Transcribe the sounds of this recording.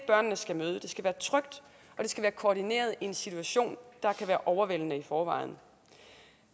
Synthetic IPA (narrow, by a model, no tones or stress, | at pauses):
b̥ɶɐ̰nənəsɡ̥æmøːð̞̩ˠəd̥e̝sɡ̥æʋæːɐt͡sʰʁœɡ̥̚d̥ | ʔɒ̽d̥e̝sɡ̥æʋæːɐkʰoːɾine̝̰ːɐð̞̩ˠie̝nsit͡sʰuæɕo̝̰ːnd̥ɑ̈kʰæʋæːɐʔɒʊɐʋel̰nəifɒːʋɑ̈ɪ̰n̩